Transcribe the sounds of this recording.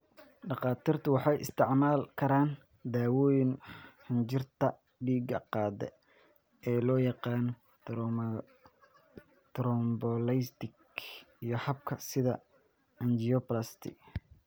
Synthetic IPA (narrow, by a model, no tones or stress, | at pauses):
ɖɑqɑːt̪iːrt̪ʰʊwɑħɑjɪ̰st̪ʰɪʕmaːlkʰɐɾaːn | d̪aːwɔːjɪnhɐnd͡ʒɪrt̪ʰɐ | ɖiːɡɐ̰qɑːd̪ɛ̰ | ʔɛːlɔːjɑqɑːnɔ | t̪ɾɔmbɔlɛjst̪ɪk | ijɞhɐb̚kʰɐsɪðɐ | ɐnd͡ʒɪɔplɐst̪ʰɪ̰k